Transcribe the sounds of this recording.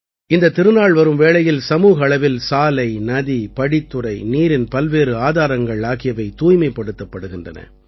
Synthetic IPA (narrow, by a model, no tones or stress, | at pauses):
ɪnd̪ɐt̪ːɪɾɯnaːɭʋɐɾɯmʋeːɭɐjɪlsɐmuːɣɐːɭɐʋɪlsaːlɐɪnɐðipɐɽɪt̪ːɯɾɐɪniːɾɪnpɐlʋeːɾɯaːðaːɾɐŋɡɐɭaːɣɪjɐʋɐɪt̪uːjmɐɪpːɐɽɯt̪ːɐpːɐɽɯɣɪndrɐnɐ̰